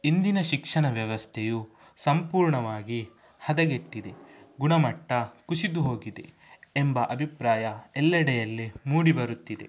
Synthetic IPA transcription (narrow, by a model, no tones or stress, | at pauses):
ind̪inɐʃikʂɐɳɐʋjɐʋɐst̪ʰɛju | sɐmpuːɾɳɐʋaːɡi | hɐd̪ɐɡeʈːid̪e̞ɡuɳɐmɐʈːɐkusid̪uɦo̞ːɡid̪ḛ | embɐʔɐbʱipɾaːjɐɛlːɐɽɛjɐlːimuːɽibɐɾut̪ːid̪e̞̰